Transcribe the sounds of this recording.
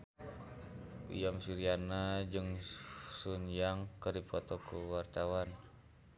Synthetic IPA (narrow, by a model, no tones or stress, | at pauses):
ṵjamsuɾianad͡ʒɨŋsunjaŋkərdipɔt̪ɔkuwart̪awan